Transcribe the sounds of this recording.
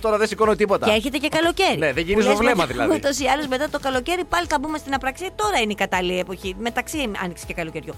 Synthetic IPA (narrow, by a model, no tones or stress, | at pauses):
t̪oɾɐðesikonot̪ipo̞t̪ɐeeçe̞t̪e̞ce̞kɐlo̞ce̞ɾineðeʝinizovlemɐðilɐ̰ðut̪o̞siɐlozme̞t̪ɐt̪o̞kɐlo̞ce̞ɾipɐliθɐbumest̪inɐpɾɐksiɐt̪o̞ɾɐineikɐt̪ɐliepo̞çime̞t̪ɐksiɐ̰niksi̥cekɐlo̞ce̞ɾʝo